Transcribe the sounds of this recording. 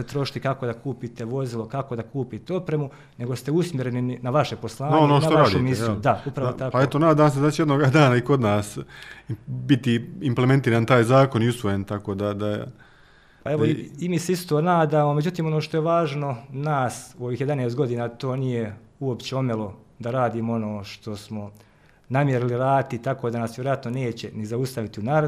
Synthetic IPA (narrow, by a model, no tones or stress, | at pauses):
set̪ɾo̞ʃi̥t̪ikako̞d̪akuːpit̪eʋo̞zilo̞kako̞d̪akuːpit̪eo̞pɾemu | ne̞ɡost̪e̞usmʲjeɾe̞nininaʋaʃe̞po̞slˠaːnaonoːnaoɾaːdʃumisud̪aupɾaʋot̪akpaet̪onaːd̪aːmsed̪at͡ɕejed̪noɡad̪aːnaiko̞d̪naːs | bit̪iimplement̪iːɾaːnt̪aːjzaːko̞niusʋo̞jent̪akoːd̪ad̪a̰ | pae̞ʋoiimiːseist̪oːnaːd̪aːmo̞me̞d͡ʑut̪iːmo̞noːʃt̪ojeʋaːʒno̞naːsuoʋiːxje̞d̪aneːst̪ɡo̞d̪iːnaːt̪o̞ːnije̞ | uo̞pt͡ɕeo̞melo̞ | d̪aɾaːd̪iːmoo̞no̞ːʃt̪o̞smo̞ | namjeɾiliɾaːt̪it̪ako̞ːd̪anasʋjeɾojat̪none̞ːt͡ɕe̞nizaust̪aʋit̪iunaːɾ